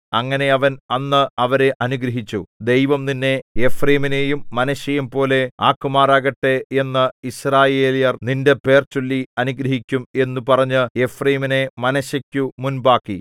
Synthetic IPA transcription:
ɐŋːɐne̞ɐʋɐnɐnːɨɐʋɐɾe̞ʔɐnuɡɾɐɦit͡ɕːud̪e̞jʋɐmninːe̞efreːmine̞ːjumːɐnɐɕɐjɐmpo̞ːle̞aːkːumaːraːɣɐʈːe̞e̞nːɨisraːje̞ːlijɐrninde̞pe̞ːrt͡ɕolːiɐnuɡɾɐɦikʲːume̞nːupɐrɐɲːɨefreːmine̞mɐnɐɕɐkʲːumunbaːkːi

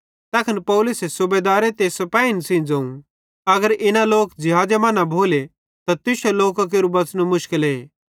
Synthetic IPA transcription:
t̪ɐːkʰənpɔːlʊsesʊbeːd̪aːɾet̪esɐpaːinsĩːd͡zɐ̃ũ | ɐɡəɾɪnãloːkd͡ʒɪɦaːd͡ʒemãːnabʱoːle | t̪at̪ɪsoloːkak̬eɾubɐt͡snomʊʃkɪleː

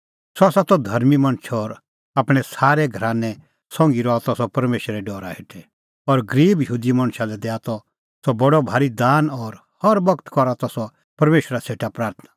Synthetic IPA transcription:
sɔasat̪ɔd̪ʱɐɾmimɐ̃ɽ̃ʃʰɔːɾ | aːpɽ̃ɛsaːɾɛɡʱɐɾaːnɛ | sɔ̃ŋɡiɾɔat̪ɔsɔpɐɾmeːʃɾɛɖɔːɾaɦeʈʰɛ | ɔːɾɡɐɾiːbjəɦuːd̪imɐ̃ɽ̃ʃalɛd̪ɛat̪ɔ | sɔbɐɽɔbʱaːɾid̪aːnɔːɾ | hɔɾbɐkt̪kɔɾat̪ɔsɔ | pɐɾmeːʃɾaseːʈapɾaːɾt̪ʰnḁ

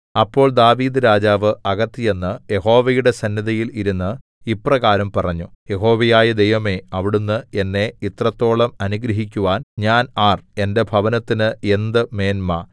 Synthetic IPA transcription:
ɐpːo̞ːɭd̪aːʋiːd̪ɨɾaːd͡ʑaːʋɨɐɣɐt̪ːije̞nːɨje̞ɦo̞ːʋɐjuɽe̞sɐnːjɐðɐjiliɾunːɨ | ipːrɐɣaːɾɐmpɐrɐɲːuje̞ɦo̞ːʋɐjaːjɐd̪e̞jʋɐme̞ɐʋiɽunːɨe̞nːe̞it̪rɐt̪ːo̞ːɭɐmɐnuɡɾɐɦik̬ʲːuʋaːnɲaːnaːre̞nde̞bʱɐʋɐnɐt̪ːinɨe̞nd̪ɨme̞ːnmɐ

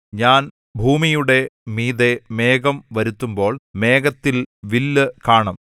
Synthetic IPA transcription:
ɲaːn | bʱuːmijuɽe̞miːðeme̞ːɡɐmʋɐɾut̪ːumbo̞ːɭme̞ːɡɐt̪ːilʋilːɨkaːɳɐm

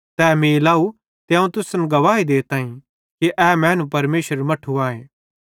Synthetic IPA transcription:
t̪ɛːmilaːu | t̪eãːũt̪ʊsənɡɐʋaːid̪eːt̪ãːĩ | kiʔɛːmɛ̃ːnũpɐɾmeːʃəɾmɐʈʰuaːẽː

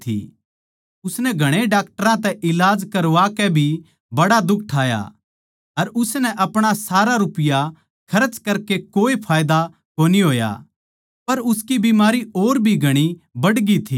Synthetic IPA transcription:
t̪ʰḭ | ʊsnɛɡʱɐɽ̃eɖaːk̚ʈəɾãt̪ɛʔɪlaːd͡ʒkɐɾʋakɛbʱi | bɐɽad̪ʊk̚ʰʈʰaːja̰ | ɐɾʊsnɛʔɐpɽ̃asaːɾaɾʊpɪja | kʰɐɾət͡ʃkɐɾkekoːipʰaːjd̪a | koːniɦoːja̰ | pɐɾʊskibimaːɾioːɾbʱiɡʱɐɽ̃ibɐɽɡit̪ʰiː

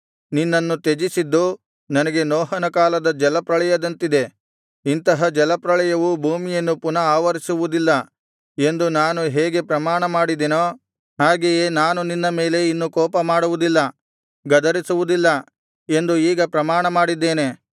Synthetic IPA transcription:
ninːɐnːut̪ed͡ʒisid̪ːu | nɐnɐɡe̞noːɦɐnɐkaːlɐd̪ɐd͡ʒɛlɐpɾɐɭɐjɐd̪ɐnt̪id̪e̞ | int̪ɐɦɐd͡ʒɛlɐpɾɐɭɛjɐʋubʱuːmijɐnːupunɐaːʋɐɾisuʋud̪ilːɐ | e̞nd̪unaːnuɦeːɡe̞pɾɐmaːɳɐmaːɽid̪enoː | ɦaːɡejenaːnuninːɐme̞ːle̞inːukɔːpɐmaːɽuʋud̪ilːɐ | ɡɐd̪ɐɾisuʋud̪ilːɐ | e̞nd̪uiːɡɐpɾɐmaːɳɐmaːɽid̪ːe̞ːne̞

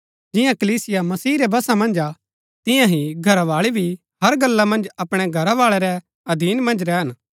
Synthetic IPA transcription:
d͡ʒɪjãkɐliːsɪjamɐsiːɾɛbɐsamɐ̃nd͡ʒa | t̪ɪ̃jãɦĩɡʱɐɾaʋaːɭibʱi | ɦɐɾɡɐlːamɐ̃nd͡ʒɐpɽ̃ɛɡʱɐɾaʋaːɭɛɾɛ | ɐd̪iːnmɐ̃nd͡ʒɾɛɦɐn

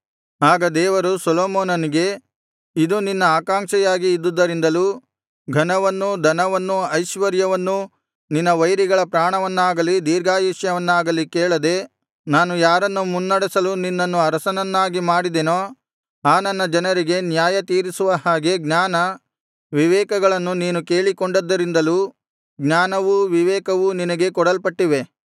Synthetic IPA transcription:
aːɡɐd̪ɛːʋɐɾusɔloːmoːnɐniɡe̞ | id̪uninːɐaːkaːŋʂɛjaːɡiːd̪ːud̪ːɐɾind̪ɐluː | ɡʱɐnɐʋɐnːud̪ʱɐnɐʋɐnːuɐjʃʋɐɾjɐʋɐnːu | ninːɐʋɐjɾiɡɐɭɐpɾaːɳɐʋɐnːaːɡɐlid̪iːɾɡaːjiʃjɐʋɐnːaːɡɐlikɛːɭɐd̪e̞ | naːnujaːɾɐnːumunːɐɽɛsɐluninːɐnːuɐɾɐsɐnɐnːaːɡimaːɽid̪eːno | aːnɐnːɐd͡ʒɐnɐɾiɡe̞njaːjɐt̪iːɾisuʋɐɦaːɡe̞ɡnaːnɐ | ʋiʋɛːkɐɡɐɭɐnːuniːnuke̞ːɭikoɳɖɐd̪ːɐɾind̪ɐluː | ɡɲaːnɐʋuʋiʋɛːkɐʋuninɐɡe̞kɔɽɐlpɐʈːiʋe̞

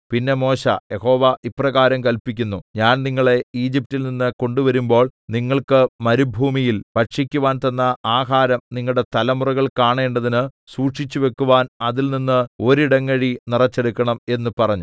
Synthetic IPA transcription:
pinːe̞mo̞ːɕɐ̰jeho̞ːʋɐʔiprɐɣaːɾɐmkɐlpikʲːunːuɲaːnniŋːɐɭe̞iːd͡ʑip̚tilninːɨko̞ɳɖuʋɐɾumbo̞ːɭniŋːɐɭkɨmɐɾubʱuːmijilpɐʈʂikʲːuʋaːnt̪ɐnːɐaːɦaːɾɐmniŋːɐɭɽe̞t̪ɐlɐmurɐɣɐɭkaːɳeːɳɖɐðinɨsuːʈʂit͡ɕːuʋe̞kːuʋaːnɐðilninːɨo̞ɾiɽɐŋːɐɻinirɐt͡ɕːe̞ɽukːɐɳɐme̞nːupɐrɐɲːu

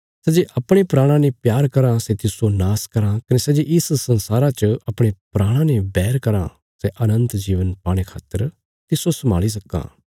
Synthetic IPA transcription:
sɛːd͡ʒeʔɐpɽ̃epɾaːɽ̃ãnepjaːɾkɐɾãsɛt̪ɪsonaːskɐɾãkɐnesɛd͡ʒeʔɪssɐ̃nsaːɾat͡ʃəɐpɽ̃epɾaːɽ̃ãnebɛːɾkɐɾã̰ | sɛʔɐnə̃nt̪d͡ʒiːʋənpaːɽ̃ekʰa̰ːt̪ːəɾ | t̪ɪsosɐmaːlis̬ɐkːã̰ː

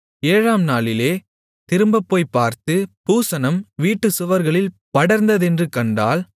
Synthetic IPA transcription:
eːɻaːmnaːɭɪleː | t̪ɪɾɯmbɐpːoːjpːaːɾt̪ɯpuːsɐnɐmʋiːʈːɯsʊʋɐɾɣɐɭɪl | pɐɽɐɾnd̪ɐðɛndrɯkɐɳɖa̰ːl

